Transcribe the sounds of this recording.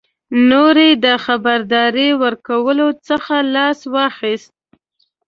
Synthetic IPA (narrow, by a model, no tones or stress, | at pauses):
noɾed̪əxabaɾd̪ɑɾiwəɾkawəlot͡səxalɑswɑxist̪̚